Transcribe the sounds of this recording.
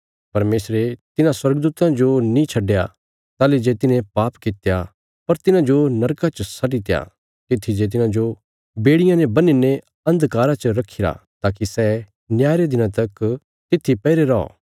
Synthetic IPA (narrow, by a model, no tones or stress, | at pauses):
pɐɾmeːsɾet̪ɪnãswɐɾɡd̪uːt̪ãd͡ʒonĩt͡ʃʰɐɖːeja̰ | t̪aːled͡ʒet̪ɪnẽpaːpkɪt̪ja | pɐɾt̪ɪnãd͡ʒonɐɾkat͡ʃəsɐʈit̪eja̰ | k̪ɪt̪ʰːid͡ʒeːt̪̬ɪnãd͡ʒo | beːɽɪjãnebɐninẽ | ɐ̃nd̪kaːɾat͡ʃəɾɐkʰːɪɾa̰t̪aːkisɛː | njaːɾed̪ɪnãt̪ɐk | t̪ɪt̪ʰːipɛːɪɾeɾɔɔ̰ː